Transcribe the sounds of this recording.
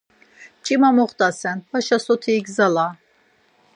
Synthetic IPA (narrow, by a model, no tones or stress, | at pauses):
t͡ʃʼimamɔχt̪ʼasɛnbaʃasɔt̪ʰiːɡzala